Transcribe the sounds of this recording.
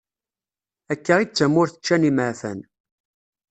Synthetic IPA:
ækːəʁit͡sːæmːʊɾθə̥t͡ʃːæniməʕfæ̰n

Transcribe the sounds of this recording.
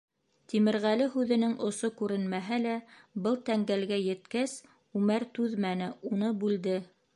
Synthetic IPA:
t̪imɘ̆ɾʁælɘɦʉðɘ̆nɘŋʔŏsokʉɾɘnmæɦælæbɤlˠt̪æŋɡælɡæjɘ̆t̪kæs | ʉmæɾt̪ʉðmænɘunɤbʉld̪ɘ

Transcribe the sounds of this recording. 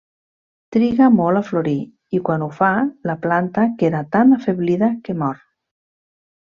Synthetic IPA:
t̪ɾiɣamɔlafloɾi | ikwanufalaplant̪akeðat̪anafeβliðakemɔɾ

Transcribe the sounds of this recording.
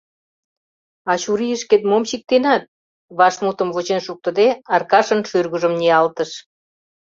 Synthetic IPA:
ɑɕuɾiəʃket̪momɕik̚t̪enɑt̪̚ | βɑʃmut̪ə̆mβot͡ɕenʃuk̚t̪ə̆d̪eɑrkɑʃə̆nʃyrɣuʒə̆mneɑlt̪əʃ

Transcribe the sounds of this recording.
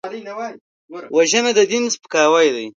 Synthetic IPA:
waʒənad̪əd̪ɪnzpə̥kɑːwajd̪aj

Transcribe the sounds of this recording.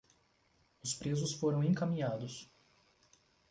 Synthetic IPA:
ʊspɾezʊsfoɾɐ̃w̃ẽkamĩɲad̪ʊs

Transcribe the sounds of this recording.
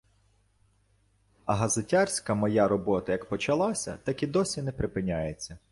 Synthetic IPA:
ɐɦɐzɪtʲarʲsʲkɐmɔjaɾɔbɔt̪ɐjɐkpɔt͡ʃɐlˠɑsʲɐ̰t̪ɐkʲid̪ɔsʲinɛpɾɪpɪnʲajet͡sʲːɐ

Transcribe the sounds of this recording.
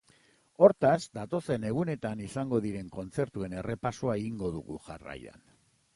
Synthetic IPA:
o̞ɾt̪azd̪at̪o̞se̞ne̞ɣ̞une̞t̪anisaŋɡo̞ðiɾe̞ŋko̞nt͡se̞ɾt̪ue̞ne̞re̞pasoaeɣiŋɡo̞ð̞ṵɣṵʝara̰jða̰n

